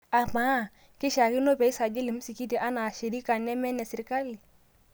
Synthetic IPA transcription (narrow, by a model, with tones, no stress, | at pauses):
a˨ma˨˦˨ | kɪ˦ʃa˨ki˦no˦bɛ˨˦i˦sa˨d͡ʒe˦li˨m˦si˨ki˦di˨ʔa˦na˨ʃe˨ɾi˦ka˨nɛ˦mɛ˦nɛ˨si˨ɾka˦li˨